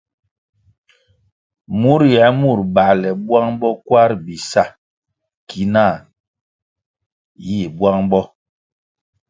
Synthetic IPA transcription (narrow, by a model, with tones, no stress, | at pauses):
mu˦ɾjɛ˨˦mu˦˨ɾba˨lɛ˨bwa˦ŋbɔ˦kwa˦ɾbi˨sa˦˨ | ki˨˦na˦˨ | ji˦˨bwa˦ŋbɔ˦